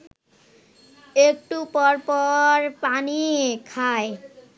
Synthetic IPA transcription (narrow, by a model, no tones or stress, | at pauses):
ek̚ʈupɔɹpɔɹpaniekʰaj